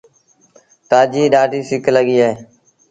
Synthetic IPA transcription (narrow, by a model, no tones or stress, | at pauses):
t̪aːd͡ʒiːɗaːʈiːsɪkləɡiːaeː